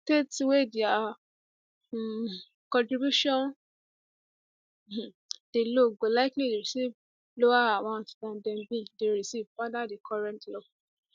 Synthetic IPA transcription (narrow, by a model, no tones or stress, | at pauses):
tetiwedea | kɔ̃ntɹibjuʃɔ̃n | d̥eloɡolaɪklideɹisiv | loaaw̃ãtdãndɛ̃nbĩdeɹisivfadadekʰɔɹɛ̃ntlok